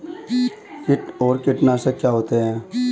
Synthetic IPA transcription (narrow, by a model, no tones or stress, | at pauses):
kɪʈoːɾkɪʈnaːsəkjaːɦoːt̪eɦɛ̃ː